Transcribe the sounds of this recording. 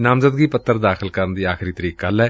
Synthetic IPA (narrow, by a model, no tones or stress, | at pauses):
nãːmzəd̪ɡiːpət̪ːəɾd̪aːxʰəlkəɾənd̪iːaːxʰɪɾiːt̪əɾiːkːalɛː